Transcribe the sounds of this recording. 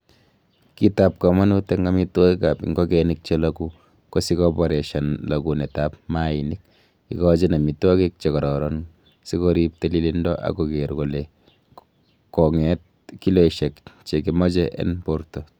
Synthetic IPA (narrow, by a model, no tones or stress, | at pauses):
kitap̚kɔmanuteŋɡamitwoikapḭŋɡokɛnik̚t͡ʃeloku | kosikɔpɔɾeʃanlokunetap̚mainik̚ | ikɔt͡ʃenamitwɔkek̚t͡ʃekɔɾɔɾɔn | sikoɾip̚telilindɔʔa̰kokeɾkole | kɔŋɛt̚ | kiloiʃɛkt͡ʃekimɔt͡ʃɛʔḛnpoɾto